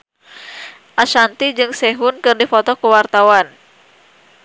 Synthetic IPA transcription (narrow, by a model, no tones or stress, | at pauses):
ʔaʃant̪id͡ʒɨŋsɛɦunkɨrdifɔt̪ɔkuwart̪awan